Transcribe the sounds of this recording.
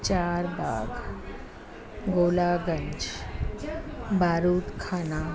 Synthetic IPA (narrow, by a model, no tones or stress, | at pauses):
t͡ɕaɾba̰ːɡ | ɡolaɡəɲt͡ʃ | bʱaːɾuːt̪kʰaːna